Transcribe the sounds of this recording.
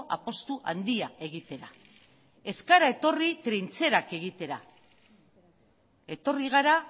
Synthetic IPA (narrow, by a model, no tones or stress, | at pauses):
ʔa̰po̞st̪uʔand̪iae̞ɣ̞it̪e̞ɾa | e̞skaɾae̞t̪o̞rit̪ɾent͡se̞ɾake̞ɣ̞it̪e̞ɾa̰ | e̞t̪o̞riɣ̞aɾa